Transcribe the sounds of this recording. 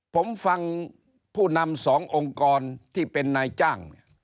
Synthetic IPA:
pʰo˩˦mfa˧ŋ | pʰuː˥˩na˧msɔː˩˦ŋʔo˧ŋkɔː˧nt̪ʰiː˥˩pe˧nːa˧jt͡ɕaː˥˩ŋni˦˥˩ɐ

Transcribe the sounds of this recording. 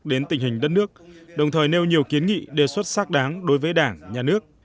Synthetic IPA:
ɗe˨˦nt̪ï˨˩ŋ̟hï˨˩ŋ̟ɗə˦˥t̚nɨ˦˥ək̚ɗə˨˩wŋ͡mt̪ʰəː˨˩jne˧wɲi˨˩əwki˨˦ənŋḭ˧˨ɗe˨˩swə˦˥t̚saː˦˥k̚ɗaː˨˦ŋɗo˨˦jvəː˨˦jɗaː˧˩ŋɲaː˨˩nɨ˦˥ək̚

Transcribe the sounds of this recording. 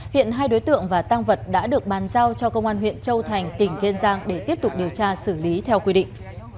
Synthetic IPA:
hḭ˧˨ənɦaː˧jɗo˨˦jt̪ɨ̰˧˨əŋvaː˨˩t̪aː˧ŋvə˨˩t̚ɗa̰ː˧˥ɗɨ˨˩ək̚ɓaː˨˦nzaː˧wt͡ɕɔ˧kə˧wŋ͡mʔaː˧nɦwḭ˧˨ənt͡ɕə˧wt̪ʰa˨˩jŋ̟t̪ï˧˩ŋ̟ke˧nzaː˧ŋɗe˧˩t̪i˦˥əp̚t̪ʊ˨˩k͡p̚ɗi˨˩əwt͡ɕaː˧sɨ˧˩li˨˦t̪ʰɛ˧wkwi˧ɗḭ̈˧˨ŋ̟

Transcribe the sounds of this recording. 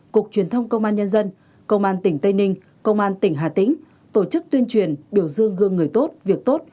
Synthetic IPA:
ku˨˩ək̚t͡ɕwi˨˩ənt̪ʰə˧wŋ͡mkə˧wŋ͡mʔaː˧nɲə˧nzə˧n | kə˧wŋ͡mʔaː˧nt̪ï˧˩ŋ̟t̪ə˧jnï˧ŋ̟ | kə˧wŋ͡mʔaː˧nt̪ï˧˩ŋɦa̰ː˨˩t̪ï˧˥˦ŋ̟ | t̪o˧˩t͡ɕɨ˦˥k̚t̪wi˧ənt͡ɕwi˨˩ənɓi˧˩əwzɨ˧əŋɣɨ˧əŋːɨ˨˩əjt̪o˦˥t̚vi˨˩ək̚t̪o˦˥t̚

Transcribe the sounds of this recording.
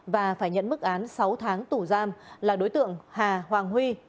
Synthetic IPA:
vaː˨˩faː˧˩jɲə̰˧˨nmɨ˦˥k̚ʔaː˨˦nsa˨˦wt̪ʰaː˨˦ŋt̪u˧˩zaː˧mlaː˨˩ɗo˨˦jt̪ɨ̰˧˨əŋhaː˨˩hwaː˨˩ŋhwi˧

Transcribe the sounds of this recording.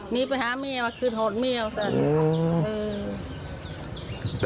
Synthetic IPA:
niː˧˥pa˧jhaː˨˦mi˧˩˨wa˧˩kʰɯː˧˩t̪̚ho˨˩t̪̚mi˧ə˨wsa˧˩˧ʔɯː˧˩

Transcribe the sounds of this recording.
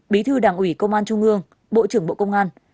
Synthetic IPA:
ɓi˨˦t̪ʰɨ˧ɗaː˨˩ŋʔwi˧˩kə˧wŋ͡mʔaː˧nt͡ɕʊ˧ŋ͡mʔɨ˧əŋ | ɓo̰˧˨t͡ɕɨ˧˩əŋɓo̰˧˨kə˧wŋ͡mʔaː˧n

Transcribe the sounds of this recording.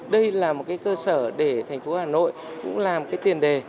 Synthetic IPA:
ɗə˧jlaː˨˩mo˨˩t̚kaː˨˦jkəː˧səː˧˩ɗe˧˩t̪ʰɛ˨˩ŋ̟fo˨˦haː˨˩no̰˧˨jkʊ̰˧˥ŋ͡mlaː˨˩m˩kaː˨˦jt̪i˨˩ənɗe˨˩

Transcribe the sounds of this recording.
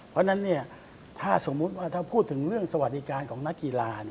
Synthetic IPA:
pʰɾɔ˦˥na˦˥nːi˥˩ɐ | t̪ʰaː˥˩so˩˦mːu˦˥t̪̚waː˥˩t̪ʰaː˥˩pʰuː˥˩t̪ʰːɯ˩˦ŋɾɯ˥˩əŋsa˧wa˨˩t̪̚di˦kaː˧nkʰɔː˩˦ŋna˦˥kːi˧laː˧ni˥

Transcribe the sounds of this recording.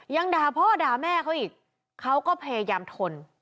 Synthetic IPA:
ja˧ŋdaː˨˩pʰɔː˥˩daː˨˩mɛː˥˩kʰa˦˥wʔiː˨˩k̚ | kʰːa˦˥wkɔː˥˩pʰe˧jaː˧mt̪ʰo˧n

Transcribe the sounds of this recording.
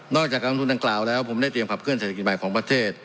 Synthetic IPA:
nɔː˥˩k̚t͡ɕaː˨˩k̚a˧ŋt̪u˧nda˧ŋklaː˨˩wlɛː˦˥wpʰo˩˦da˥˩jt̪ɾi˧əmpʰa˨˩kʰɯ˥˩ənseː˨˩t̪ʰːi˨˩t̪ma˨˩jkʰɔː˩˦ŋpɾa˧t̪ʰeː˥˩t̪̚

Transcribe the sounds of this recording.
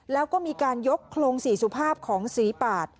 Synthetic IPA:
lɛː˦˥wkɔː˥˩miː˧kaː˧njo˦˥kʰːloː˧ŋsiː˩˦su˧˩pʰaː˥˩p̚kʰɔː˩˦ŋsiː˩˦paː˨˩t̪̚

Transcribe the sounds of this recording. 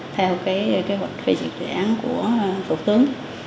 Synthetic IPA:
t̪ʰɛ˧wwkaː˨˦jke˨˦ɦwa˨˩jk̟̚fi˧˩zḭ˨˩t̚zḭ˨˩ʔaː˨˦nku˧˩ə˩fʊ˨˩k͡p̚t̪ɨ˨˦əŋ

